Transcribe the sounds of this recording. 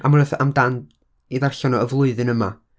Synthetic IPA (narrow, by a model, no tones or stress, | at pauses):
a̰mrəθamdand | iðarɬɔnɔəvlˠʊɨðɨnəma